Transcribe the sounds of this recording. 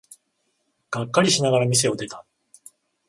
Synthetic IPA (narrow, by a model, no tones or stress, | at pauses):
ɡ̥akːaɾʲiɕinaɡaɾamʲis̬e̞o̞d̪e̞t̪a